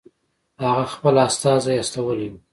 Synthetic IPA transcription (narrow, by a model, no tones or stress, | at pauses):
haɣaxpəlast̪ɑzajast̪awəli